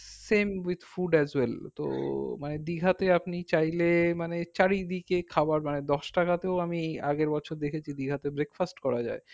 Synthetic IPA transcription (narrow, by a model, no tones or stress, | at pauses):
semwid̪fuɖɛzwelt̪o̰maned̪iɡʱat̪eapnit͡ɕajlemanet͡ɕaɾid̪ikekʰabaɾmaned̪ɔʃʈakat̪eoamiaɡeɾbɔt͡ɕʰoɾd̪ekʰet͡ɕʰid̪iɡʱat̪ebɾekfasʈkɔɾad͡ʑa̰e